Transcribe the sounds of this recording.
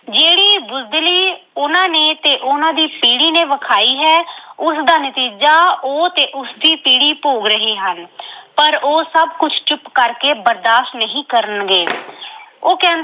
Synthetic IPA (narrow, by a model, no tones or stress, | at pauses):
d͡ʒeːɽiːbʊzd̪liːʊnãːneːt̪eːʔʊnãːd̪iːpiːɽiːneːʋəkʰaːiːɦɛːʊsd̪aːnət̪iːd͡ʒaːoːt̪eːʔʊsd̪iːpiːɽiːpoːɡɾəɦiːɦənpəɾoːsəbkʊt͡ʃʰt͡ʃʊpkəɾkeːbəɾd̪aːʃʈnəɦĩːkəɾənɡeː | oːkɛ̃ːnd̪